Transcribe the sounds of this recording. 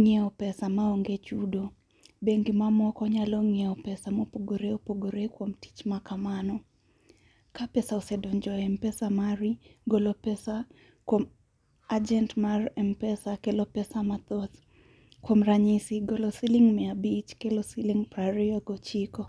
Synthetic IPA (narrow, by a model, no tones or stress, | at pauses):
ŋiɛɔpɛsamaɔŋɡet͡ʃudo | beŋɡimamɔkɔɲalɔŋɛɔpɛsamopoɡoɾeopoɡoɾekwomti̥t͡ʃmakamanɔ | kapɛsaosɛdɔɲd͡ʒɔɛmpɛsamaɾiɡɔlɔpɛsa | kwɔm | ad͡ʒɛntmarɛmpɛsakɛlɔpɛsamat̪ɔθ | kwɔmɾaɲisiɡɔlɔsiliŋmɛabit͡ʃkɛlɔsiliŋpɾaɾiɔɡɔt͡ʃikɔ